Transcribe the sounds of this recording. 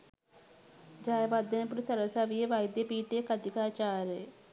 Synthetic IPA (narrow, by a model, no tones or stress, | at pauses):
d͡ʒaːjʋaːd̪ənẽp̬ʊɾsəɾəsaːʋieːʋaːid̪eːpiːʈ̪eːkəd̪ɪkaːt͡ʃaːɾeː